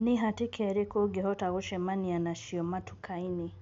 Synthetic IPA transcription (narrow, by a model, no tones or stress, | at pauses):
nɪɦatɪkʰɛɾekoɡehɔtaɣoʃɛmanianaʃiɔmatʰu̥kʰaini